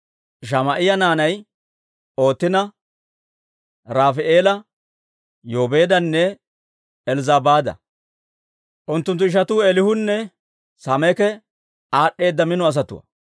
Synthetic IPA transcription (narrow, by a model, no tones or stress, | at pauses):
ʃ̬ɐmɐʔɪjɐnaːnɐj | o̞ːt̪ːɪnɐ | ɾaːfɪʔeːlɐ | joːbe̞ːd̪ɐnːɛ | ɛlzaːbaːd̪ɐ̰ | ʔʊnt̪ːʊnt̪̬ːʊɪʃ̬ɐt̪uːelɪhʊnːɛ | samɛkɛ | aːɗːe̞ːd̪ːɐmɪnɔɐs̬ɐt̪ʊ̰wɐ̰